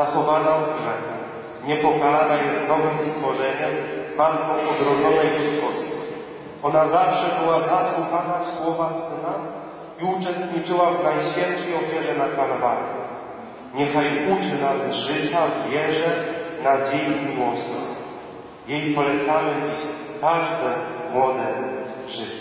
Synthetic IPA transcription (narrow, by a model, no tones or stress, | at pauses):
zaxɔvanaɔɡʐɛxu | ɲɛpɔkalanajɛznɔvɘmst̪fɔʐɛɲɛmbalkɔ̃wɔd̪ɾɔd̪zɔnɛjkʂiswɔɕt͡ɕi | ʔɔnazafʂɛbɘwazaswuxanafswɔvasɘna | iut͡ʂɛst̪ɲit͡ʂɘwavnajɕfʲjɛnt̪ʂɛjɔfʲjɛʐɛnakalɔvaɲɛ | ɲɛxajut͡ʂɘnazʐɘt͡ɕavʲjɛʐɛnad͡ʑejimʲiwɔsɔ | jejpɔlɛt̪samɘd͡ʑiɕ | k̪aʐd̪ɛmwɔd̪ɛ | ʐɘt͡ɕɛ